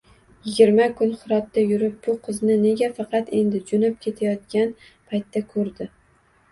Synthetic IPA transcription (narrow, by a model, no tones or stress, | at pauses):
jɪɡʲɪɾmakʰʊnχʊɾɒt̪ːajʊɾɪp̚b̥ʊqʰɨznɪne̞ɡʲafɑqʰɑt̪e̞nd̪ɪd͡ʒonɪp̚kʲʰe̞t̪ʰajɒt̪kʲan | pʰajt̪ːakʰɵɾd̪ɪ